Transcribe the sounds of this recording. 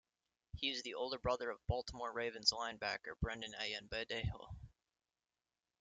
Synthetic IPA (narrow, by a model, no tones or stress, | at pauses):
hiwʌzðiʔoʊlˠdə˞bɹʌðə˞ʌvbɔlˠtəmɔɹɹeɪvɨ̃nzlãɪ̃nbæ̰kə̰˞b̥ɹæ̃ndɨ̃na̰ɪɨ̃nbɛdeɪhˠ